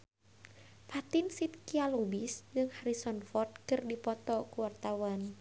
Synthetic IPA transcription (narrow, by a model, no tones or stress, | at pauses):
fat̪insit̪̚kialubisd͡ʒɨŋhaɾisɔnfɔrt̪̚kɨrdipɔt̪ɔkuwart̪awan